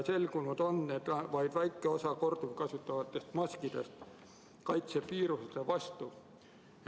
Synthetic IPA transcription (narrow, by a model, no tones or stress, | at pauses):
se̞lɡunud̪̥o̞nːed̪̥vɑjd̪̥væjkːˑe̞o̞sɑko̞rd̪̥uvkɑsut̪ːˑɑvɑt̪ːˑe̞st̪mɑskid̪̥e̞̰st̪ | kɑjt̪sepiːɾuset̪evɑst̪u